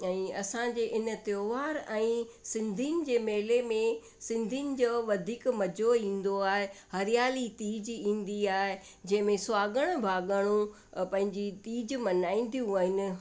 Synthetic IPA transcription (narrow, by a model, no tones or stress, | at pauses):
ɛ̃ːɐsãd͡ʑeːʔɪnə̆t̪ɪjoːʋaːɾɛ̃ːsɪ̃nd̪ʱinɪ̆d͡ʑeːmeːlemẽ | sɪ̃nd̪ʱinɪ̆d͡ʑoːʋɐd̪ʱiːkmɐd͡ʑʱoĩːn̆d̪oaːɦehɐɾɪjaːlit̪iːd͡ʑĩːn̆d̪iaːɦe | d͡ʑɐ̃ɦɪ̃mẽsʊaːɡəɽ̃bʱaːɠəɽ̃ũ | pɐ̃ɦɪ̃ɲd͡ʑit̪iːd͡ʑmɐnaːĩːn̆d̪ijũəɦɪnɪ̆